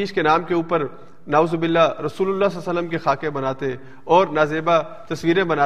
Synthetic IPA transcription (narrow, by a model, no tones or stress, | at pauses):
iːʃkenaːmkeuːpəɾ | nauːzobɪlːaɾɐsuːlʊlːassəlːəmkexaːkẽbɐnaːt̪e | ɔːɾnaːzeːba | t̪ɐsʋiːɾẽbɐnaː